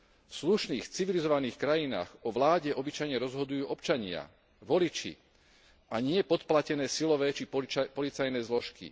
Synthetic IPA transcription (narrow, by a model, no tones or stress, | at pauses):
fsluʃniːxt͡siʋilizɔʋaniːxkɾajina̰ːxɔʋlaːɟɛʔɔbit͡ʃajɲɛɾɔzɦɔd̪ujuːʔɔpt͡ʃaɲɪa̰ | ʋɔlit͡ʃḭ | aɲɪɛpɔt̪placɛnɛːsilɔʋɛːt͡ʃipɔlit͡sajnɛːzlɔʃkḭ